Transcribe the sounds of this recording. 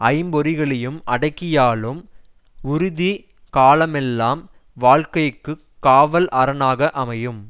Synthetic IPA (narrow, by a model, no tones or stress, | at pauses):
ɐɪmbɔɾɪɣɐɭɛjɯmʔɐ̰ɽɐɪkːɪjaːlɯm | ʊɾʊði | kaːlɐmɛlːaːm | ʋaːlkɐjɯkːɯ | kːaːʋɐlʔɐɾɐnaːɣɐʔɐmɐjɯm